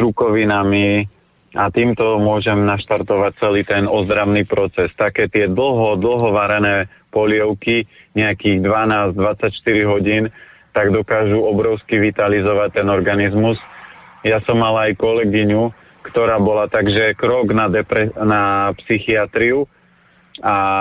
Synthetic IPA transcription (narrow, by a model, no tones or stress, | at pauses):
ɾukɔʋinami | at̪iːmt̪ɔmʊɔʒɛmnaʃt̪aɾt̪ɔʋac̚t͡sɛliːt̪ɛnɔzd̪ɾaʊniːpɾɔt͡sɛst̪akɛːt̪ɪɛd̪l̩ˠɦɔd̪l̩ɦɔʋaɾɛnɛː | pɔlɪɛʊkiɲɛakiːɣd̪ʋanaːzd̪ʋat͡sacʃt̪iɾiɦɔɟiːnt̪aɡd̪ɔkaːʒuɔbɾɔʊskiʋit̪alizɔʋac̚t̪ɛnɔɾɡanizmusjasɔmːalaːjkɔlɛɡiɲu | kt̪ɔɾaːbɔlat̪aɡʒɛkɾɔɡnad̪ɛpɛnapsixiat̪ɾiu | a